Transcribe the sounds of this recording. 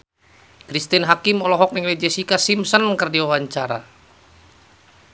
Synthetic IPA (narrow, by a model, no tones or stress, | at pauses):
kɾist̪inɦakimɔlɔɦɔk̚nɛŋlɛd͡ʒɛsikasimsənkərdiwawaɲt͡ʃaɾa̰